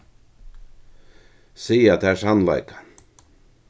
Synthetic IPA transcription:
siːjat̪ʰæsanla̰jkḁ

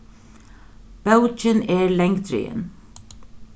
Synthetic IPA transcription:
b̥ɑʊt͡ʃəneːlɛŋt̪ʰɾʏ̰ːə̰n

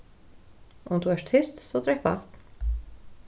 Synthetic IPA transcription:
ʔʊmd̪uːæːʃt̪ʰɪst̪sod̪ɾɛkbɑ̰ːt̪

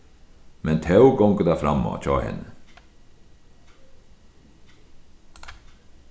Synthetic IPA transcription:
mɛnt̪ʰɑʉɡɔŋkəd̪æːfɾɑmo̰ːt͡ʃɑ̰ːhɛ̰nə

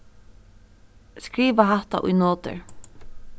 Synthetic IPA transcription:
skɾiːʋaɦaht̪a̰ʔʊ̰jnoːt̪ɪ̰ɹ

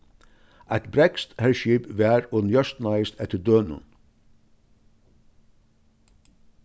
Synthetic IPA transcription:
aɪt̪bɾɛkst̪hɛɹʃipʋæːɾʊnjœʂt̪najɪst̪ɛt̪əɾd̪øːnʊ̰n

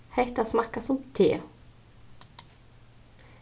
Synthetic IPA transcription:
hɛt̪asmakːasɔmt̪ʰḛː

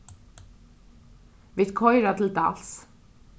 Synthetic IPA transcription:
ʋɪt̪kʰɔʏɾɑt̪ʰl̩t̪ɑ̰ls

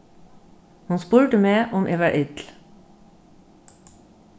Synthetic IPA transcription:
hunspuːɹʈəmeːʔʊmʔɪʋæʔɪt̪l̩

